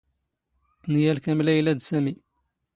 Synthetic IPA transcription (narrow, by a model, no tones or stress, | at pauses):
t̪njælkæmlæjlæd̪sæmi